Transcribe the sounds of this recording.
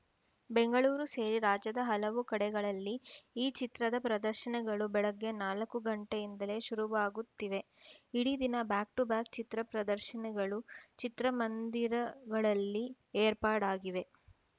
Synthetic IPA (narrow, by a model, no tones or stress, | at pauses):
beŋɡɐɭuːɾuseːɾiɾaːd͡ʒɐd̪ɐɦɐlɐʋukɐɽɛɡɐɭɐlːiiːt͡ʃit̪ɾɐd̪ɐpɾɐd̪ɐɾʃɐnɛɡɐɭubɛɭɐɡːe̞naːlɐkːuɡɐɳʈejind̪ɐle̞ʃuɾuʋaːɡut̪ːiʋe̞ | iɽid̪inɐbaːk̚ʈubaːk̚t͡ʃit̪ɾɐpɾɐd̪ɐɾʃɐnɛɡɐɭut͡ʃit̪ɾɐmɐnd̪iɾɐɡɐɭɐlːi | eːɾpaːɽaːɡiʋe̞